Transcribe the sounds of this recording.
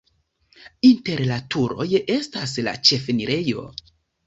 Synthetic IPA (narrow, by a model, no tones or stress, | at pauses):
inte̞ɾlatʰuɾo̞je̞stasla̰t͡ʃe̞feniɾe̞jo̞̰